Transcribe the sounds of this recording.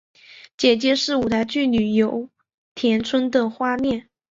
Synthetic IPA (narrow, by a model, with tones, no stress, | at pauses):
t͡ɕjɛ˨˩t͡ɕjɛ˧˥ʂɻ̩˥˩u˨˩t̪ʰa˧˥ɪt͡ɕy˥˩ly˨˩jo˧˥ʊ | t̪ʰjɛ˧˥nt͡sʰwə˥nd̪ə˨xwa˥mjɛ˥˩n